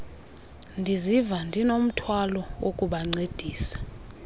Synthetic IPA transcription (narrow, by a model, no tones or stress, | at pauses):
ndʱizivandʱinom̩tʰwalɔwokʼuɓaŋ͡ǀed̥ʱiːsḁ